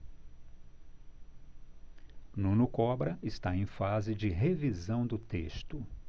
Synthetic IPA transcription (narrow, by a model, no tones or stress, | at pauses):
nũnʊkɔbɾɐʔɪst̪aẽj̃fazɪd͡ʒɪɦevizɐ̃w̃d̪ʊt̪ḛst̪ʊ